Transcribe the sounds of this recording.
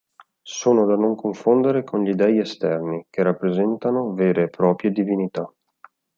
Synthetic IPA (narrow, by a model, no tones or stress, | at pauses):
soːnod̪anoŋkoɱfond̪eɾekonʎid̪ɛːiest̪ɛrnikerapːɾezɛnt̪anoveːɾeːpːɾɔːpɾjed̪ivinit̪a